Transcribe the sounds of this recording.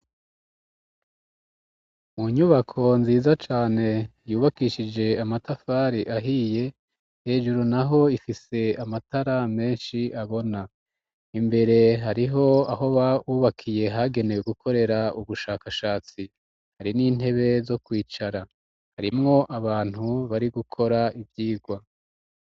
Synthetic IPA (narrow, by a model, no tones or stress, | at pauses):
muɲuβakʰo̞nziːzat͡ʃaːne̞juːβakiʃid͡ʒe̞amatafaːɾiʔaɦiːje̞ | he̞ːʒuɾunaɦo̞ifise̞amataɾame̞ːnʃiaβo̞na | imbe̞ɾe̞ɦaɾiɦo̞aɦo̞βauːβakʰije̞ɦaɡe̞ne̞weɡukʰo̞ɾe̞ɾauβuʃaːkaʃaːt͡si | haɾiniːn̥e̞βe̞zo̞kwiːt͡ʃaɾa | haɾimŋo̞ʔaβaːn̥huβaɾiɡukʰo̞ɾaʔivjiːɡwa